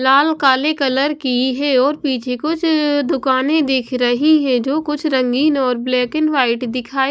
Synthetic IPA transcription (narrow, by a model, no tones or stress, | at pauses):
laːlkaːlekɐləɾkiɦɛɔːɾpiːt͡ʃʰekʊt͡ʃʰd̪ʊkaːnẽd̪eːkʰɾɐɦiɦɛ̃d͡ʒoːkʊt͡ʃʰɾɐ̃ŋɡiːnɔːɾblɛːkɪnʋaːɪʈd̪ɪkʰaːi